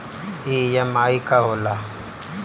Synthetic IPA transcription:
ijamaːikaɦola

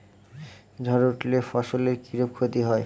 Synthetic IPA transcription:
d͡ʒ̪ʱɔɾoʈlefɔʃoleɾkiɾop̚kʰot̪iɦɔe

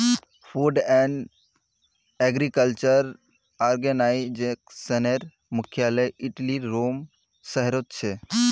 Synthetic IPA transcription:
pʰuɖɛɳɖ | ɛɡɾikəlt͡ʃəɾ | aɾɡenajɪd͡ʒeksəneɾ | mʊkʰjaləjiʈliɾom | səɦɾot̪̚t͡ʃʰɛ

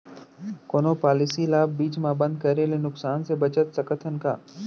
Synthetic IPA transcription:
koːnoːpaːlɪsilaːb̚ːiːt͡ʃmãbɐ̃nd̪̚kɐɾelenʊksaːnsebɐt͡ʃət̪sɐkət̪ʰənka̰ː

